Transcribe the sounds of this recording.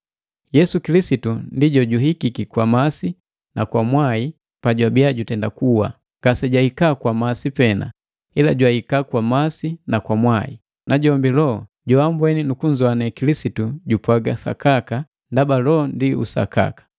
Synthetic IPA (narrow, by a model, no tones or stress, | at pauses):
jɛsukilisitundiɟɔɟuɦikikikwamasi | nakwamwai | paɟwabiaɟutɛndakuwa̰ | ŋɡ̥asɛɟwaikakwamasipɛna̰ | ila̰ɟwaikakwamasinakwamwaḭ | naɟɔmbilɔ | ɟɔambwɛninukuɲzɔanɛkilisituɟupwaɡasa̰kaka | ndabalɔndiṵsa̰ka̰kḁ